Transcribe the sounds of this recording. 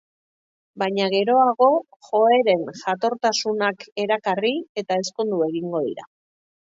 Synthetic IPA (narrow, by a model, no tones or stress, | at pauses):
baɲaɣ̞e̞ɾo̞aɣo̞ | xo̞e̞ɾe̞nʝat̪o̞ɾt̪asunake̞ɾakarie̞t̪ae̞sko̞nd̪ue̞ɣiŋɡo̞ðḭɾa̰